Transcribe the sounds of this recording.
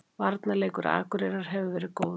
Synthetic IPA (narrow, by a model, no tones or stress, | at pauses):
vaɾt̪naleːjkʏɾa̰ːkʏɾeɾaɾ̥ɦɛvɪvɛːɾɪkoːw